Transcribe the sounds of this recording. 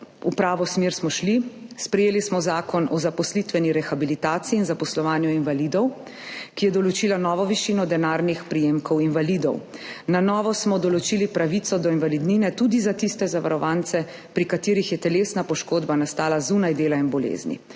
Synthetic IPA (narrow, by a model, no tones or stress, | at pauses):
upɾaːʋɔsmeːɾsmɔʃlispɾɛjeːlismɔzaːkɔnɔzapɔslit̪ʋɛniɾɛxabilit̪aːt̪siiːnzapɔslɔʋaːnjuinʋalid̪ɔw | kijɛd̪ɔlɔt͡ʃiːlanɔːʋɔʋiʃiːnɔd̪ɛnaːɾnixpɾijeːmkɔwinvalid̪ɔ̰wnanɔːʋɔsmɔd̪ɔlɔt͡ʃilipɾaʋit̪sɔd̪ɔinʋalid̪niːnɛt̪ud̪izat̪ist̪ɛzaʋa̰ɾɔʋaːnt̪sɛ | pɾikat̪iːɾixjɛt̪ɛlesnapɔʃkoːd̪banast̪aːlazunajd̪eːlainbɔlḛːznḭ